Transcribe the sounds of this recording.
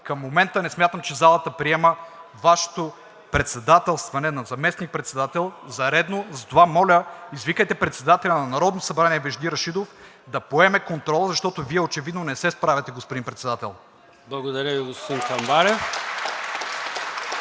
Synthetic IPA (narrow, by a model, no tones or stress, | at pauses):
kɐmːomɛnt̪ənɛsmʲjat̪əmt͡ʃɛzalˠɐt̪əpɾiɛməvaʃo̥t̪o | pɾɛt̪sɛd̪at̪ɛlˠst̪vɐnɛnɐzɐmɛsnik̚pɾɛt̪sɛd̪at̪ɛlˠzɐɾɛd̪nozɐt̪ovamɔlʲəizvikəjt̪ɛpɾɛt̪sɛd̪at̪ɛlʲɐnɐnɐɾɔd̪nosɐbɾaniɛvɛʒd̪iɾɐʃid̪of | d̪ɐpoɛmɛkont̪ɾɔlˠəzɐʃt̪ɔt̪oviɛot͡ʃɛvid̪nonɛsɛspɾavʲɐt̪ɛɡospod̪inpɾɛt̪sɛd̪at̪ɛ̰lˠ | blˠɐɡod̪ɐɾʲəviɡospod̪ĩnxɐmbaɾɛf